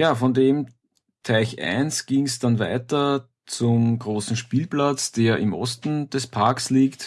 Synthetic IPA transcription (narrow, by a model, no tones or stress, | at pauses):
jaːfɔndeːm | tʰæɪçʔæ̰ɪnsɡ̥iŋsd̥anvæ̰ɪtɐ | t͡sʊmɡʁoːsn̩ʃpiːlplat͡sd̥eːɐʔɪ̰mʔɔ̰stn̩d̥ɛspʰaɐksliːkt